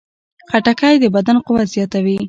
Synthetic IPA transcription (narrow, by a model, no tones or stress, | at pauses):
xaʈakajd̪əbad̪anqʊwazjɑt̪awi